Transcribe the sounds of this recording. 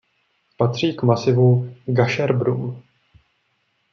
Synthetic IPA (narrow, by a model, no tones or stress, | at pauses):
pat̪r̝̥iːkmasɪvuɡaʃɛɾbɾum